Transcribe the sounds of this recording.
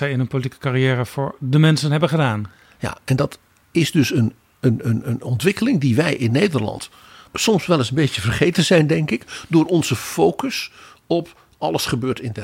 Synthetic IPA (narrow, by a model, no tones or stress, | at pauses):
ɛjɪnɦənpowlitikə̥kaɾijɛːɾəv̥ʊːɹdəmɛnsənɦɛbənχədaːn | ja̰ːɛndɑt | ɪzdɵsən | ənənənɔntʋɪkəlɪŋdiʋɛjʔɪnːejdəɹlɑ̰nt | sɔmsʋɛlˠəsənbejtəvərχejtənzɛjndɛŋkɪkdʊːɹɔnzəfowkəs | ɔp | ɑləsχəbøːɹtɪndɛ